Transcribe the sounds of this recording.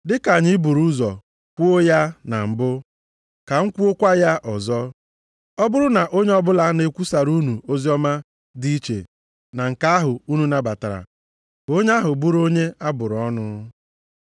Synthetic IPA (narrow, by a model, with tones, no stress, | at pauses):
dɪ˦ka˨ɲɪ˦bu˨ɾu˦zɔ˨ | kʷu˦o˦ja˦na˨m̩˨bʊ˦ | ka˨ŋ̩˦kʷu˦o˦kʷa˦ja˦ʔɔ˨zɔ˦ | ɔ˦bʊ˦ɾʊ˦na˨ʔo˦ɲe˦ɔ˦bʊ˦la˦ne˨kʷu˦sa˨ɾu˦nu˨o˦zi˦ɔ˦ma˦ | di˦i˦t͡ʃḛ˨ | na˨ŋ̩˨ka˦a˦ɦʊ˨u˦nu˨na˨ba˨ta˨ɾa̰˨ | bo˦ɲe˦a˦ɦʊ˨bu˦ɾo˦ɲe˦a˦bʊ˨ɾʊ˨˦ɔ˦nʊ˦